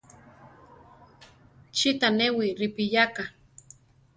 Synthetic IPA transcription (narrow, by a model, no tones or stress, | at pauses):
t͡ʃit̪anewiɾipijaka